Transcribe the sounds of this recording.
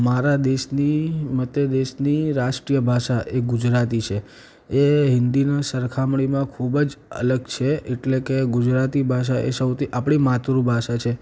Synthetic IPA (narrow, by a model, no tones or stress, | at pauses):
maɾad̪eʃnimət̪jəd̪eʃniɾaʃʈɾijəbʱaʃaʔeɡud͡ʒɾat̪̬it͡ʃʰe | eɦɪnd̪inasəɾkʰamɽ̃imãkʰubd͡ʒə̰ləɡt͡ʃʰeeʈlekeɡud͡ʒɾat̪ibʱaʃ̬aʔesəwt̪ʰiʔapɽ̃imat̪ɾubʱaʃat͡ʃʰe